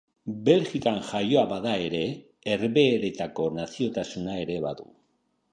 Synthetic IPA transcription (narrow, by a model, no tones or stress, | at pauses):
be̞lʝikanʝajo̞aβaðae̞ɾe̞ː | ɾβe̞ːɾe̞t̪ako̞nasio̞t̪asunae̞ɾe̞βa̰ðṵ